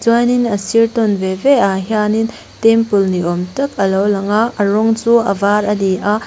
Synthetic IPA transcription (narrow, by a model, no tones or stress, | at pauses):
d͡ʒɔjninɐsiɾtɔnbebeaɦjanin | tempulniɔmtɐkɐlɔwlɐŋaɐɾɔŋzuɐ̰baɾɐdia